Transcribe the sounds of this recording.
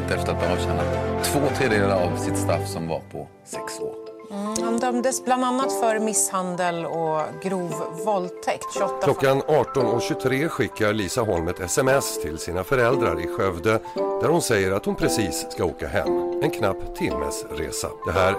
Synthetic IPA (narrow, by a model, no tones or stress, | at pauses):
t̪ːɛft̪əɾat̪̚manhaɕɛnːat̪ʰːvoːt̪ʰɾeːd̪eːlɾaɾavsɪt̪st̪ɾafːsɔmva̰ɾpʰɔ | sɛkso̰ːɾ | hand̪œmd̪əsbland̪anːat̪fœɾmɪshand̪əlɔɡɾuːvvɔlt̪ʰɛkt̪ɕɔːlɔkːanɑːʈɔnɔkɕɵt̪ʰɾeːɧɪkːaɾliːsaɦɔlmət̪ʰɛsɛmɛst̪ʰɪlsiːnafœɾɛld̪ɾa̰ɾɪɧœvd̪əd̪̥æɾhʊnsɛjːəɾat̪hʊnpʰɾɛsiːsːkaoːkaɦɛ̰mːɛnkʰnapːt̪ʰːɪmːə̰sɾḛːsa̰d̪̥ɛɦæːɾ